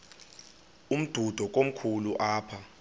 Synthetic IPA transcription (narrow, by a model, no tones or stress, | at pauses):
um̩d̥ʱud̥ʱɔk̬ʼom̩kʰuluʔaːpʰa